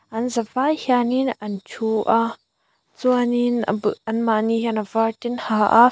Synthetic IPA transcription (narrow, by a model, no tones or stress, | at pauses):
ʔɐnzavajhianinɐnt͡ʃʰuʔa | t͡suanin̰bʔɐnmaʔnihanavatinhaʔa̰